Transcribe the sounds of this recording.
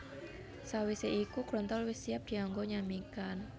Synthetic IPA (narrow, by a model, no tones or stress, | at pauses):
sawiseʔikuɡ̥ɾɔnt̪ɔlwɪsijap̚d̥i̤ɔŋɡoɲamikan